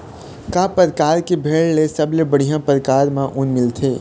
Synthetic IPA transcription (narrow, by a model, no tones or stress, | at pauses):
kaːpəɾkaːɾkebʱeːɭːesɐblebəɽ̤ijãpəɾəkaːɾmãʔʊnmɪlt̪ʰeː